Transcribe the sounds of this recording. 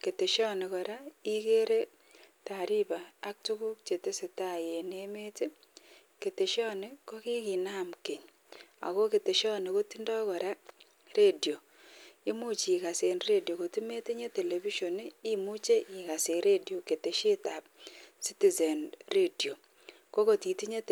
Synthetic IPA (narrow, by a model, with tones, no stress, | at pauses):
ke˨te˨ʃɔ˦ne˨kɔ˨ɾa˦i˦ke˦ɾe˦ | ta˨ɾi˦ba˨a˦k̚tu˦ku˦k̚t͡ʃe˨te˦se˨ta˦˨je˨ne˦me˦te˦ | ke˨te˨ʃɔ˦ne˦kɔ˦ki˦ki˨na˦mke˨ɲ | a̰˨ko˦ke˨te˨ʃɔ˦ne˨ko˦ti˦ndɔ˦kɔ˨ɾa˦ | re˦djo˨ | i˦mu˦t͡ʃi˨ka˨se˨nre˦djo˨ko˨ti˦me˦ti˦ɲe˦te˨le˨βi˦ʃo˨ni˦i˦mu˦t͡ʃe˦ʔi˨ka˨se˨ɾe˦djo˨ke˨te˨ʃe˦ta˨p̚si˦ti˦˨ze˨nre˦djo˨ | ko˦ko˨ti˨ti˦ɲe˦